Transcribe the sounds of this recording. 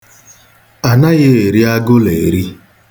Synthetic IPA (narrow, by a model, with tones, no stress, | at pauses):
a˨na˦ɣe˦e˨ɾi˦a˦ɡʊ˦le˨ɾi˦